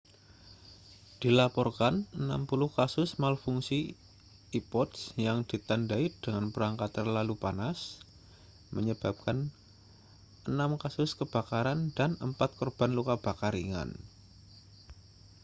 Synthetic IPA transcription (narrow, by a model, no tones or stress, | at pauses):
d̥ilapɔrkanənampulʊhkasʊsmalfuŋsi | ipɔt̪sjaŋdit̪andaid̥əŋanpəɾaŋkat̪ərlalupanas | məɲəb̥ap̚kan | ənamkasʊskəb̥a̤kaɾandanəmpat̪̚kɔrb̥anlukab̥akaɾiŋa̰n